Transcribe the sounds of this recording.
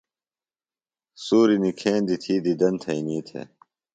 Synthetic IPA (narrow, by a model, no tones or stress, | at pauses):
suːɾinikʰeːnd̪it̪ʰiːd̪id̪ɐnt̪ʰɐiniːt̪ʰḛː